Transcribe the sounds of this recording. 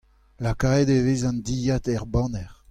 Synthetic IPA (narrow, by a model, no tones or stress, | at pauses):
lakaed̪eveːzɑ̃nd̪ijat̪ɛʁbɑ̃nɛʁ